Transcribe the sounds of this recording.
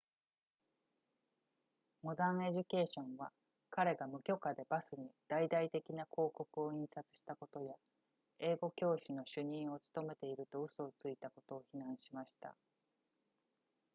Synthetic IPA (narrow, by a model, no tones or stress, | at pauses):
mo̞d̪ãɰ̃e̞ʑɨke̞ːɕõ̞ɰ̃βa | kaɾe̞ɡamɯ̟kʲo̞kad̪e̞basɨɲ̟id̪̥aid̪ait̪e̞kʲinakʰo̞ːko̞kɯ̟o̞ĩɰ̃sat͡sɨ̥ɕi̥t̪ako̞t̪o̞ja | e̞ːɡo̞kʲo̞ːɕino̞ɕɨɲ̟ĩɰ̃o̞t͡sɨ̥t̪o̞me̞t̪e̞iɾɯ̟t̪o̞ɯ̟so̞t͡sɨit̪ako̞t̪o̞ːçinãɰ̃ɕimaɕi̥t̪a̰